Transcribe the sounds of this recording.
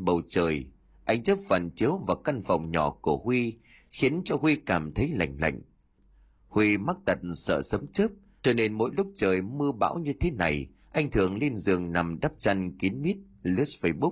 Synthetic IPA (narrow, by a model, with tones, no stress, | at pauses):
ɓə˨˩wt͡ɕəː˨˩j | ʔa˧jŋ̟t͡ɕə˦˥p̚vaː˨˩nt͡ɕi˨˦wvaː˨˩ka˧nfa̰˨˩wŋ͡mɲɔ˧˩ku˧˩əhwi˧ | xi˨˦ənt͡ɕɔ˧hwi˧kaː˧˩mt̪ʰə˨˦jla̰˧˨jŋ̟la̰˧˨jŋ̟ | hwi˧ma˦˥k̚t̪ə˨˩t̚sə̰ː˧˨sə˨˦wŋ͡mt͡ɕə˦˥p̚ | t͡ɕɔ˧ne˧nmo̰˧˥jlʊ˦˥k͡p̚t͡ɕəː˨˩jmɨ˧əɓa̰ː˧˥wɲɨ˧t̪ʰe˨˦na˨˩j | ʔa˧jŋ̟t̪ʰɨ˨˩əŋli˧nzɨ̰˨˩əŋna˨˩mɗa˦˥p̚t͡ɕa˧nki˨˦nmi˦˥ət̚li˦˥s̚fə˧ɓu˦˥k̚